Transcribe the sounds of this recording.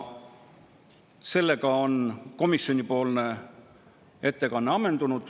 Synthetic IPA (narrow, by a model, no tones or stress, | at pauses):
se̞lːe̞ɡɑonko̞misːjo̞nʲipo̞ːlne̞ | e̞t̪ːe̞kɑnːeɑme̞nd̪̥unud̪̥